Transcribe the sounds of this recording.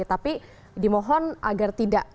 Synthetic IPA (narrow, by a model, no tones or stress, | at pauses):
t̪api | dimɔɦɔnʔa̰ɡart̪idaʔ